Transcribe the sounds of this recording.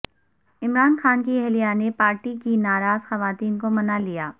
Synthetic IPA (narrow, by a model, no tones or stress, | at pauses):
ɪmɾaːnxaːnkiɛɦlijanepaːɾʈikinaːɾaːzxɐʋaːt̪iːnkomɐnalijaː